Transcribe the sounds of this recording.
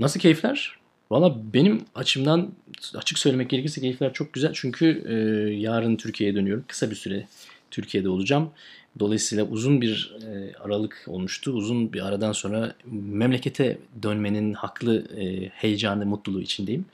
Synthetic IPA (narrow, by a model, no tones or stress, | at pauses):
nasɯlˠcʰe̞jiflʲæɾ̥ | valˠːaːbe̞nimat͡ʃʰɯmd̪anat͡ʃʰɯksø̞jlʲeɛc̚ɟeɾecʰisɛcʰe̞jiflʲæɾt͡ʃʰo̞k̚ɟyzælʲt͡ʃʰyɲcʰyjaːɾɯnt̪ʰyɾcʰije̞jɛd̪ø̞nyjo̞ɾumkʰɯ̥sabiɾsyɾɛt̪ʰyɾcʰije̞d̪ɛo̞lˠud͡ʒamd̪o̞lˠajɯsɯjlˠaʔuzunbiɾa̰ɾalˠɯkʰo̞̰lˠmuʃt̪ʰuːzunbiɾaɾad̪anso̞nɾamɛmlʲe̞cʰe̞t̪ʰɛd̪ønme̞ninhakʰlˠɯhe̞jed͡ʒaːnɯmut̪lˠulˠuːit͡ʃʰind̪e̞jim